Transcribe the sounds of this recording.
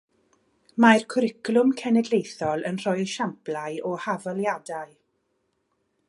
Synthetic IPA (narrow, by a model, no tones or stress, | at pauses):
majrkʰʊɾɪkʰlˠʊmkʰɛnɛdlejθɔlˠənr̥ɔɨðʃamplˠaɨʔɔhavalˠjadaɨ